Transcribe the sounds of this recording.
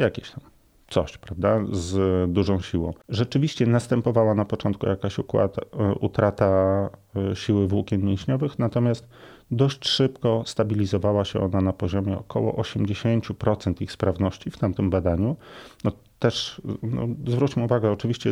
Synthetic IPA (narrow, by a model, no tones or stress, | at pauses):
jakʲeɕt̪am | t̪sɔɕpɾavd̪azd̪uʐɔ̃w̃ɕiwɔ̃w̃ʐɛt͡ʂɘvʲiɕt͡ɕɛnast̪ɛmpɔvawanapɔt͡ʂɔnt̪̚kṵjakaɕukwa̰t̪ʔṵt̪ɾat̪a | ɕiwɘvwukʲɛnmʲjɛ̃w̃ɕɲɔvɘxnat̪ɔmʲjast̪ | d̪ɔɕt͡ɕʂɘpkɔst̪abʲilʲizɔvawaɕɛ̰ɔnanapɔʑɔmʲjɛɔkʰɔwɔ̰ʔɔɕɛmd͡ʑeɕeɲt͡ɕupɾɔt̪sɛnt̪ixspɾavnɔɕt͡ɕift̪amt̪ɘmbad̪aɲunɔ | t̪ɛʂnɔ̰zvɾut͡ɕmɘuvaɡɛɔt͡ʂɘvʲiɕt͡ɕɛ